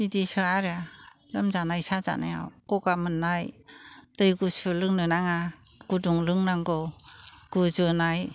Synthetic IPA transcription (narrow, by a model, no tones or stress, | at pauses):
didisɯaɾalɯmzanajsaza̰na̰ja̰wkɔɡamɯnːajtɯjɡusɯlɯŋnɯnaŋaɡ̥uduŋlɯŋnaŋɡɯɡ̥ɯzɯnaj